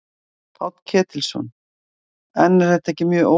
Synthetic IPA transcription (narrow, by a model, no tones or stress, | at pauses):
pʰɔt̪cʰɛːt̪ɪlsɔ̰n | ɛnːɛɾ̥heht̪aɛhcɪmjœːʔoː